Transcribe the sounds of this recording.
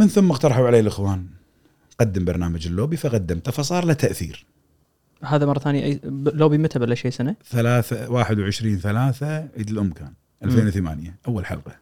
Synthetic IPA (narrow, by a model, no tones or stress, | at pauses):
mənθʊmːɑɣt̪ɑɾˤɑħuʕaleːlʔəxwaːn | qɑd̪ːəmbɑɾˤnaːmad͡ʒɪlːoːbifaqad̪ːamt̪afɑsˤɑːɾˤlat̪ʰːaʔθḭːɾ | haːðamɑrˤːɑθaːnjaʔaloːbimɪt̪abalʔaʃeːsanaθalaːθawaːħɪd̪wʕɪʃɾiːnθalaːθaʕḭːd̪əlʔʊmːkaːn | ʔalfeːnwθama̰ːnjaʔawːalħɑ̰lqɑ̥